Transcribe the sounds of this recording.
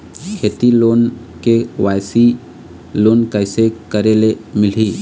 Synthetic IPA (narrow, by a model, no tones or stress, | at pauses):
kʰeːt̪iloːn | keʋaːjsi | loːnkəɪsekəɾelemɪl̤iː